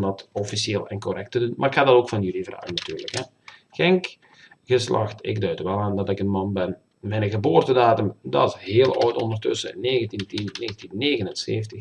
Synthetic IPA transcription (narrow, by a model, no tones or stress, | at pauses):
ndɑtɔfisjeːlˠɛ̰nkɔrɛk̚tədunmʔa̰rɪkhadɑtoːkfɑnjylivra̰ːɣənɑtyːrləkɦɛ | kɛŋk | ɣəslɑ̰xtɪ̰ɡdœɥtʋɛlˠaːndɑtɪkənmɑnbɛn | mɛnəɣəboːrtədaːtəmdɑ̰sheːəlˠɔːtɔndərtɵ̰səneːɣəntintinneːɣəntinːeːɣənənsḛːftəx